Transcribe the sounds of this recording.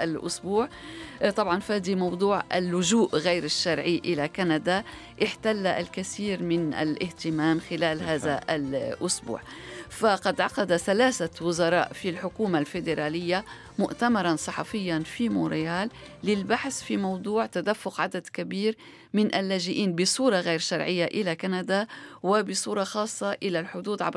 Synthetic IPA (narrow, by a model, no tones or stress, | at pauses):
ʔalʔʊ̰sbuːʕt̪ˤɑbʕɑnfaːd̪imɑwd̪ˤuːʕʔɪ̰lːʊʒuːʔɣajɾɪʃːaɾˤʕiʔɪlakanad̪a | ʔɪħt̪alːaʔalkaθiːɾmɪnʔa̰lʔɪht̪ɪmaːmxɪlaːlɦaːðalʔʊsbṵːʕ | faqɑd̪ʕɑqɑd̪aθalaːsawʊzɑɾˤɑ̰ːʔfilħʊkuːmalfɪd̪ɪɾˤaːlɪjːa | mʊʔt̪amɑɾˤɑnsˤɨħɑ̰fɪjːanfimoːɾɪjaːlː | ɪlbaħθfimɑwd̪ˤuːʕt̪ad̪afːʊqʕad̪ad̪kabiːɾ | mɪnʔalːaːʒɪʔiːnbɪsˤuːɾˤɑɣeːɾʃɑɾˤʕɪjːaʔɪlakanad̪awɪbɪsˤuːɾˤɑxɑːsˤːɑʔɪlalħʊd̪uːd̪ʕa̰b